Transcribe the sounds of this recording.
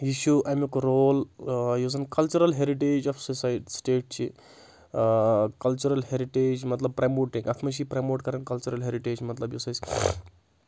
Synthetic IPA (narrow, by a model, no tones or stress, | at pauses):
jiʃuʔɐjmjukoɾoːljuːzɐnkɐlt͡ʃuɾɐlɦeɾiʈeːd͡ʒɔfsosaːjʈisʈeːʈ̚t͡ʃʰi | kɐlt͡ʃuɾɐlɦeɾiʈeːd͡ʒmɐt̪lɐb̚pɾɐmoːʈĩŋɡɐt̪ʰmɐʃipɾɐmoːʈkɐɾɐnkɐlt͡ʃuɾɐlɦeɾiʈeːd͡ʒmɐt̪lɐbjuːsɐz